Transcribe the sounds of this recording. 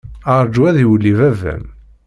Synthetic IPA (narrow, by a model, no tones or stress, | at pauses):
əɾˤd͡ʒwæðiwlːivævæ̰m